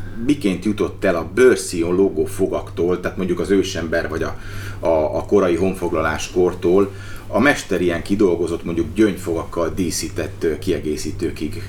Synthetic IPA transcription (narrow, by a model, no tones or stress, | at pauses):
mikeːnt̪jut̪o̞t̪ːɛlɒbørsioloɡofo̞ɡɒkt̪oːlt̪ɛːt̪moɲɟukɒzøːʃɛmbɛrvɒɟɒ | ɒːko̞ɾɒjiɦo̞ɱfo̞ɡlɒlaːʃkort̪oːl | ɒmɛʃt̪ɛɾijɛŋkid̪o̞lɡo̞zo̞t̪mo̞ɲɟuɡɟøɲfo̞ɡɒkːɒld̪iːsiːt̪ɛt̪ːkiɛɡeːsiːt̪øːkiɡ